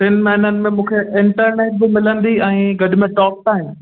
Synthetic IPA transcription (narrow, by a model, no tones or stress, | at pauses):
t̪ɪn̆mɐɦɪnənɪ̆mẽmũːkʰeɪ̃ɳʈəɾneːʈ̚bɪmɪlə̃nd̪iɛ̃ːɡɐɗʊ̆mẽʈɔːp̚ʈaːɦɪmɪ̆